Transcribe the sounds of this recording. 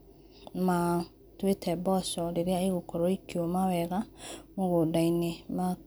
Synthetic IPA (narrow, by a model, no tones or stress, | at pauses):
ma | twetʰɛbɔsɔɾeɾeaiɣokɔɾɔikiɔmawɛɣamoɣodainema